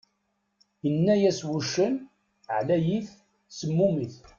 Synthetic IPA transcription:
jənːæjæswuʃːən | ʕlæjiθ | səmːumiθ

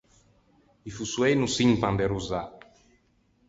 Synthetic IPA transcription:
ifusuejnusiɲpãnd̪eɾuza

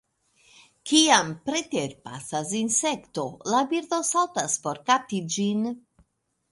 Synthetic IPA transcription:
kiampɾet̪eɾpa̰sasinsekt̪o̞labiɾd̪o̞saltaspo̞ɾkap̚tid͡ʒin

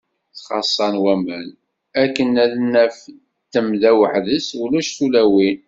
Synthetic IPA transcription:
θχɑsˤːɑnwæmæn | ækːənːælənːæf | t̪ːəmðæwəħðəsulæʃθulæwin

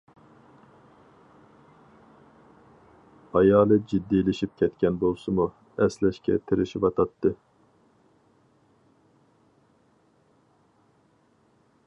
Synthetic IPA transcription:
ɑjɑːlˠɨd͡ʒid̪ːilɪʃip̚kʲʰɛt̪kʲʰɛnbolˠsumu | ɛslɛʃkʲɛ̰t̪ʰɪɾɪʃibɑt̪ʰɑt̪ːɨ

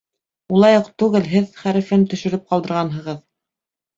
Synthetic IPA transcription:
ulˠɑjɤqt̪ʉɡɘlɦɘðχæɾɘ̆fɘnt̪ɵ̆ʃɘ̆ɾɘp̚qɑlˠd̪ɤ̆ɾʁɑnɦɤ̆ʁɤð

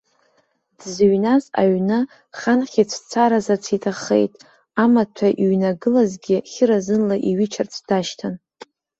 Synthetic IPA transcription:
d̥zɥnaza̰ɥnɨ | χanχʲit͡sʷʰt͡sʰaɾazat͡sʰitʰaχḛjtʼ | amatʰaʔiɥnaɡɨlazɡʲɪχʲɪɾazɨnlaʔiɥit͡ʃʰart͡sʷʰd̥aʃtʰan

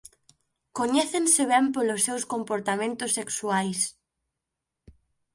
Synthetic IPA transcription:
koɲɛθensɪβɛmpolʊsːewskompoɾt̪amẽnt̪ʊsːeksuajs

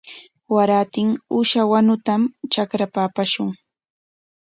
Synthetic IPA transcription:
waɾat̪ɪŋʊʃawanʊt̪amt͡ʃakɾapaːpaʃʊŋ

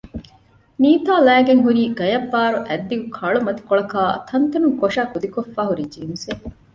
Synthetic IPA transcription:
niːt̪aːlæːɡeŋɦuɾiːɡɐjɐbːaːɾuʔæd̪ːiɡukʰɐɭumɐt̪i̥koɭɐkaːt̪ʰɐnt̪ɐnuŋkoʂaːkud̪ikofːaːɦuɾid͡ʒiːnuse

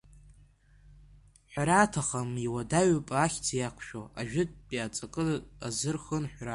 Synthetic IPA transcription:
ħʷᶣaɾatʰaχamiwadaɥpʼaːχʲt͡sʰjakʷʰʃᶣoaʒᶣɪt̚ʼpʼiat͡sʼakʼɨa̰zɨrχənħʷra

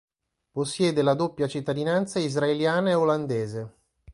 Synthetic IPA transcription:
posːjɛːd̪elad̪opːjat͡ʃit̪ːad̪inant̪saizraeljaːnaeoland̪eːze

